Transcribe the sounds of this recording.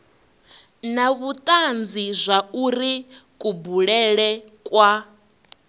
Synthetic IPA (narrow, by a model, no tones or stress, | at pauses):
naβut̪ʼand͡zizʷauɾikʼubuɺɛɺɛkʼwa